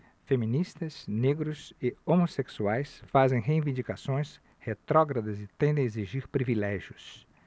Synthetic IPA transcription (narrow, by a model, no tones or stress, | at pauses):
femĩnist̪ɐsneɡɾʊsɪomoseksuajsfazẽj̃ɦeĩvĩnd͡ʒikasõj̃s | het̪ɾɔɡɾɐd̪ɐzɪt̪ẽnd̪ẽeziʒiɾpɾivilɛʒiʊs